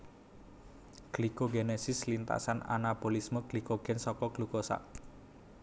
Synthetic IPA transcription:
ɡ̥likoɡenesɪslint̪a̰sana̰napolismɔɡ̥likoɡ̥ɛnsɔkɔɡ̥lukosa̰ʔ

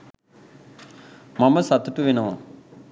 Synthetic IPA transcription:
mɐməsɐt̪uʈuʋenɐʋa̰

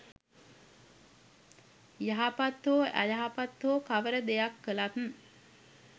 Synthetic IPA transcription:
jaɦapat̪oːʔæ̰jaɦapat̪ːoːkaʋəɾəd̪ejakːəlat̪n̩

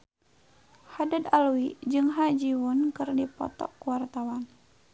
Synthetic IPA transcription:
hadad̪aluwid͡ʒɨŋɦad͡ʒiwunkɨrdipɔ̰t̪ɔ̰kuwart̪awan

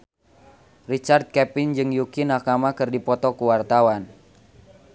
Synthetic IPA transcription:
rit͡ʃard̪̚kɛpind͡ʒɨŋjukinakamakɨrdipɔt̪ɔkuwart̪awan

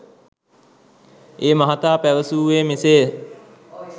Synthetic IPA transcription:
eːmaɦat̪aːpæʋəsuːʋeːmiseː

